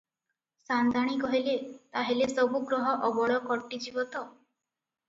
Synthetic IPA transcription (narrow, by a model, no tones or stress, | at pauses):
sand̪ʱaɽ̃ikɔɦilet̪aɦelesɔbuɡɾɔɦɔʔɔbɔɭɔkɔʈːid͡ʒibɔt̪ɔ